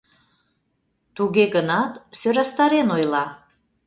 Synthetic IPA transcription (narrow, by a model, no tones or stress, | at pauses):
t̪uɣeɣənɑt̪søɾɑst̪ɑɾenojlɑ